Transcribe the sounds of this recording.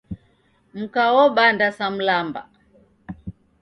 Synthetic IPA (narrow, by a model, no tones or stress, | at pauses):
m̩kaɔɓandasam̩lamba̰